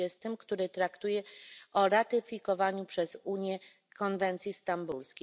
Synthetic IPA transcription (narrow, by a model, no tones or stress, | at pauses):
ɛst̪ɘmkt̪uɾɘt̪ɾakt̪ujɛʔɔɾat̪ɘfʲikɔvaɲupʂɛzuɲjɛ | kɔnvɛnt̪sʲjist̪ambulskʲ